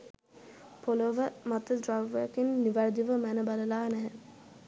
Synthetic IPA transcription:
poloʋəmat̪ədɾaʋəkinːiʋæɾd̪iʋəmænəbaləlaːnæɦɛ

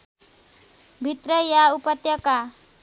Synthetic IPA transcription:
bʱit̪rʌjaupʌt̪jʌka

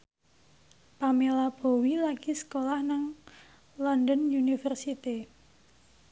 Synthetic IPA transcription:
pamelab̥o̤wilaɡ̥isə̥kolahnaŋ | lɔndənunifərsit̪i

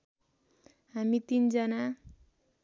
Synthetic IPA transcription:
ɦamit̪ind͡zʌna

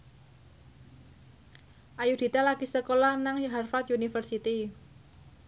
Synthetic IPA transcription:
ʔajud̪̥i̤t̪alaɡ̥i̤səkolanaŋjɦarfat̪junifərsit̪i

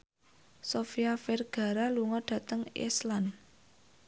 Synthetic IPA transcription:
sofiaferɡ̥a̤ɾaluŋɔɖ̥ä̤t̪əŋḛslan

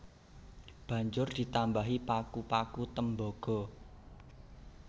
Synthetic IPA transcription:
b̥ä̤ɲd͡ʒʊrd̪̥i̤t̪ambaɦipakupakut̪əmbɔɡ̥ɔ̤

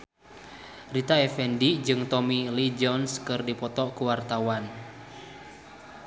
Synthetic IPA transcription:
rit̪aɛfɛndid͡ʒɨŋt̪ɔmilid͡ʒɔnskɨrdipɔt̪ɔkuwart̪awan

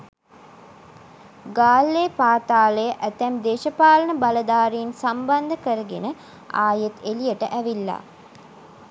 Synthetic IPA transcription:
ɡaːlːeːpaːt̪aːləjəʔæt̪æmd̪eːʃəpaːlənəbaləd̪aːɾiinsamband̪əkəɾəɡenə | a̰ːjet̪elijəʈəʔæʋilːa̰

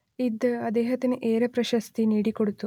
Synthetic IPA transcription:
id̪ɐd̪eːɦɐt̪inuʔeːɾɐpɾɐʃɐst̪iniːɽikoɽut̪ːu

